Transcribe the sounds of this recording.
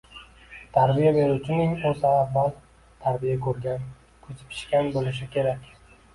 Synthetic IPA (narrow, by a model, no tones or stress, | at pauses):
t̪ʰaɾbijabe̞ɾuwt͡ʃʰɪnɪŋozaːvːal | t̪ʰaɾbijakʰɵɾɡʲan | kʰɵt͡ʃ̪ʰɪ̥pʰɪ̥ʃkʲanbolɪʃ̬ɪkʲʰe̞ɾakʲ